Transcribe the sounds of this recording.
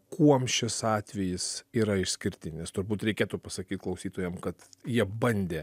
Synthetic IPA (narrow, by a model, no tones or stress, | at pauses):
kʰuɔmʃʲɪsɑːt̪ʲʋʲɛjɪsiːɾɐɪʃsʲkʲɪɾʲt̪ʲɪnʲɛst̪ʊrbuːt̪ɾʲɛɪkʲeːt̪upɐsɐkʲiːt̪̚klˠɐʊsʲiːt̪oːjɛmkɐt̪jiɛbɐnʲd̪ʲeː